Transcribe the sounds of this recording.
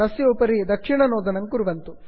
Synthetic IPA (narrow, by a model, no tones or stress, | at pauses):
ɐsjoːpɐɾid̪ɐkʂiɳɐnoːd̪ɐnɐŋkuɾuʋɐnt̪u